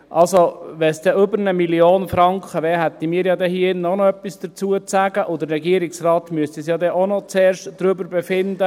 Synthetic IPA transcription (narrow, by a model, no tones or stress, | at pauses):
ʔɑlsoʋɛsd̥̪ɛʔʏbəɾnəmiljoːnfɾɑŋkχəʋɛːɦæt̪ːimiːɾjɑːd̪ɛhiɪnːɔnɔœpːisd̥̪ət͡suət͡sæɡ̥əʔʊd̪əɾːɛɡiəɾɪksrɑːt̪myəst̪isjɑːd̪ɛʔonɔt͡sɛːɾʃtd̥ɾʏbəɾbɛfɪnd̪ə